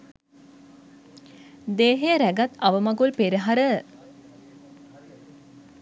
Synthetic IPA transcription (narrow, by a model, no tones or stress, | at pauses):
d̪eːɦejəɾæɡat̪aʋəmaɡulpeɾiɦaɾə